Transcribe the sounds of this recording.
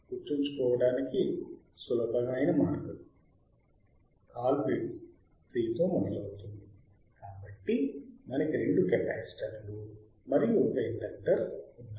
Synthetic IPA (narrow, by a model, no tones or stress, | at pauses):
kut͡ʃːiɲt͡ʃukɔːʋɐɽaːniki | sulɐbɐɡɐjnɐmaːɽɐkuni | kaːlbiɖs | pɾiːt̪o̞ːmɔd̪ɐlɐwt̪und̪i | kaːbɐʈːimɐnɐkiɾe̞ɳɖukɛpa̰ːsi̥ʈɐɾlu | mɐɾijuɔkɐiɳɖɐk̚ʈɐɾunːa